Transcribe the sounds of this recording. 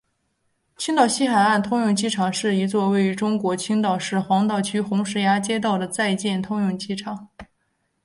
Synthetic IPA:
t͡ɕʰy˥ŋt̪ɑ˥˩ʊɕi˥xa˨˩ɪa˥˩nt̪ʰʊ˥ŋjʊ˥˧ŋt͡ɕi˥˩ʈ͡ʂʰɑ˨˩˦ŋʂɻ̩˥˩i˧˥t͡swɔ˥˧we˥˩ɪy˧˥ʈ͡ʂʊ˥ŋkwɔ˧˥t͡ɕʰi˥ŋt̪ɑ˥˩ʊʂɻ̩˥˩xwɑ˧˥ŋt̪ɑ˥˩ʊt͡ɕʰy˥xʊ˧˥ŋʂɻ̩˧˥ja˥t͡ɕjɛ˥t̪ɑ˥˩ʊd̪ə˩t͡sa˥˧ɪt͡ɕjɛ˥˩nt̪ʰʊ˥ŋjʊ˥˧˩ŋt͡ɕi˥˩ʈ͡ʂʰɑ˨˩˦ŋ

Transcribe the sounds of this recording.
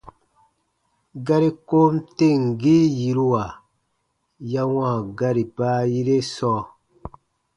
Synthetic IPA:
ɡa˦ɾi˦ko˦mte˦˨ŋ˨ɡi˦ji˨ɾu˦wa˨ | ja˦wã˦˨ɡa˦ɾi˨baː˦ji˦ɾe˦sɔː˦

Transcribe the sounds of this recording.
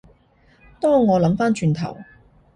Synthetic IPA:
t̪ɔː˥ŋɔː˨˧lɐ˨˥mfaː˥nt͡ʃyː˧nt̪ʰɐ̰˨˩w

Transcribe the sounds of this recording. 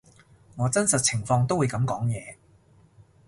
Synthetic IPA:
ŋɔː˨˧t͡sɐ˥nsɐ˨t̚t͡sʰɪ˨˩ŋfɔː˧ŋt̪o˥wu˨˧jkɐ˨˧˥mkɔː˨˥ŋjɛː˨˧

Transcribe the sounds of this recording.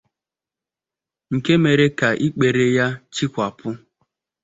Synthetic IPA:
ŋ̩˨ke˦me˨ɾe˦ka˨ʔi˦k͡pe˨ɾe˦ja˦t͡ʃi˦kʷa˨pʰʊ˦

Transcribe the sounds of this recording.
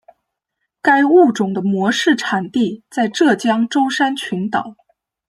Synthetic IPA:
ka˥ɪu˥˩ʈ͡ʂʊ˨˩ŋd̪ə˦mwɔ˧˥ʂɻ̩˥˩ʈ͡ʂʰa˨˩nt̪i˥˧t͡sa˥˧ɪʈ͡ʂɤ˥˩t͡ɕjɑ˥ŋʈ͡ʂo˥ʊʂa˥nt͡ɕʰy˧˥nt̪ɑ˨˩˦ʊ

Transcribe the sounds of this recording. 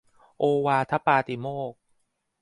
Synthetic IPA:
ʔoː˧waː˧t̪ʰa˦˥paː˧t̪i˧˩moː˥˩k̚

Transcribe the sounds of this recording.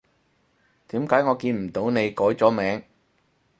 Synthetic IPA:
t̪iː˨˥mkaː˨˥jŋɔː˨˧kiː˧nm̩˨˩t̪o˨˥wne˨˧jkɔː˨˥jt͡sɔː˨˥mɛː˨˥ŋ

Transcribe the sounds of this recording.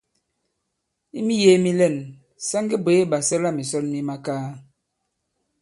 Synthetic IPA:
i˦mi˦jeː˨˦mi˦lɛ˦˨n | sa˦ŋɡə˦be˨˦ba˨sə˦la˦mi˨sɔ˦tni˦ma˦kaː˦

